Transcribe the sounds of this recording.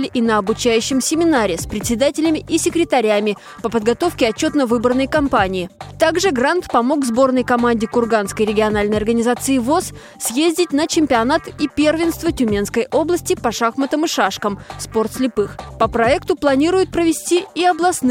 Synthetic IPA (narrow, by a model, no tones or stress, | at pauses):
lʲɪʔɪnəɐbʊt͡ɕæjʉɕːɪmsʲɪmʲɪnaɾʲɪspɾʲɪt̪ʲsʲɪd̪atʲɪlʲɪmʲɪʔɪsʲɪkɾʲɪt̪ɐɾʲamʲɪ | pəpəd̪ɡɐt̪o̞fkʲɪɐt͡ɕːo̞t̪nəvɨbərnəjkɐmpanʲɪɪt̪aɡʐɨɡrant̪pɐmo̞kvzbo̞rnəjkɐmanʲdʲɪkʊrɡanskəjɾʲɪɡʲɪɐnalʲnəjɐrɡənʲɪzat̪sɨɪvo̞s | sʲjezʲdʲɪt̚ʲnət͡ɕɪmʲpʲɪɐnat̪ipʲe̞rvʲɪnst̪vətʲʉmʲe̞nskəjʔo̞blˠəsʲtʲɪpɐʂaxmət̪əmɨʂaʂkəmspo̞rt̪sʲlʲɪpɨxpəpɾɐɛkt̪ʊplˠɐnʲiɾʊjʊt̪̚pɾəvʲɪsʲtʲiɪɐblˠɐsn